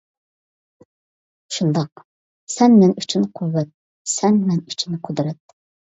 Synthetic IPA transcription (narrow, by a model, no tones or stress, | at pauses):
ʃund̪ɑq̚ | sɛnmɛnyt͡ʃʰynqʰuwːɛt̪̚ | sɛnmɛnyt͡ʃʰynɪqʰʊd̪ɾɛt̪